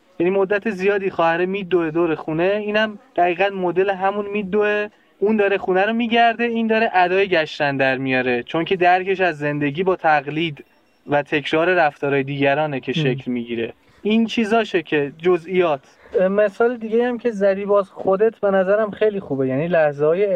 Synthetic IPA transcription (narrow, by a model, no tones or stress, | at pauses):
jænimod̪ːæt̪ʰe̞zijɒːd̪ixɒːhæɾemiːd̪ːoe̞d̪oːɾexuːne̞iːnæmd̪̥æɣiːɣæd̪mod̪e̞leɦæmunmiːd̪ːoe | und̪ɒːɾexuːnæɾomiːɟæɾd̪e̞iːnd̪ɒːɾeʔæd̪ɒːjeɟæʃt̪ænd̪æɾmijɒːɾe̞t͡ʃʰo̞ŋcʰe̞d̪æɾkʰe̞ʃæzːe̞nd̪e̞ɟiːbɒːt̪ʰæɣliːd̪ | væt̪ʰe̞cʰɾɒːɾe̞ɾæft̪ɒːɾɒːjed̪iːɟæɾɒːnecʰe̞ʃʃecʰlmiɟiːɾe̞̰ | int͡ʃʰiːzɒːʃecʰe̞d͡ʒozʔijɒːt̪ʰmesɒːled̪iɟejæmcʰe̞zædiːbɒːzxod̪et̪ʰbe̞næzæɾæmxejliːxuːbe̞jæniːlæhzehɒːje